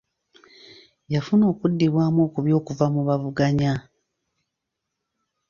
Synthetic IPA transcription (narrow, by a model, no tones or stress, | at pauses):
jafuno̞ːkudːiβwaːmoːkuβjo̞ːkuvamuβavuɡaɲa